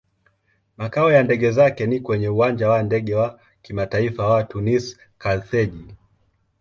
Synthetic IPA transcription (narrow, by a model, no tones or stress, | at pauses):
makaɔjandɛɠɛzakɛnikwɛɲɛuwaɲd͡ʒawandɛɠɛwa | kimataifawatunis | kalθɛʄi